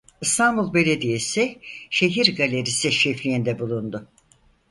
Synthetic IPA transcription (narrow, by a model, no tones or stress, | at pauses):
ɯst̪ʰanbulˠbe̞lʲed̪ijesɪʃe̞ɦiɾɡalʲe̞ɾisiʃeflʲijind̪ɛbulˠund̪ʊ